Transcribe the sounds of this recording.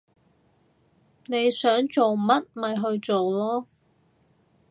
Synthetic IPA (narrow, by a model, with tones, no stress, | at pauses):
ne˨˧jsœː˨˥ŋt͡so˨wmɐ˥t̚mɐ˨jɦɵ˧ɥt͡so˨wlɔː˥